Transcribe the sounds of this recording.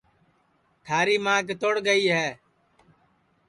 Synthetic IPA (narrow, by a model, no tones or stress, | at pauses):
t̪ʰaːɾiːmãːkt̪oːɽɡəiːɦɛː